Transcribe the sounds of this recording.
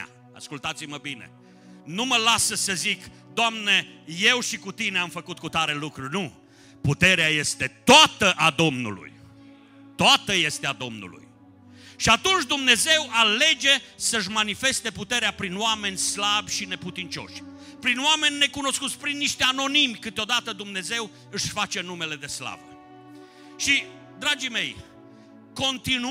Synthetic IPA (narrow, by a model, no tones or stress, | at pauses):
a̰skult̪at̪siməbine̞̰ | numəlasəsəzik | d̪oamne̞je̞wʃikut̪ineamfəkut̪̚kut̪aɾe̞lukɾurnu | put̪e̞ɾeaje̞st̪e̞t̪oat̪əʔad̪o̞mnṵlṵj | t̪oat̪əje̞st̪ead̪o̞mnṵlṵj | ʃiat̪unt͡ʃʲd̪umne̞ze̞wale̞d͡ʒe̞səɨʃ̬manife̞st̪e̞put̪e̞ɾeapɾinwame̞nʲslabʲʃine̞put̪int͡ʃo̞̰ʃʲ | pɾinowame̞nʲːe̞kuno̞skut̪sʲpɾinːiʃt̪eano̞nimʲkɨt̪eo̞d̪at̪əd̪umne̞ze̞w | ɨʃfat͡ʃe̞numele̞d̪e̞sla̰və̰ | ʃi | d̪ɾad͡ʒime̞j | ko̞nt̪in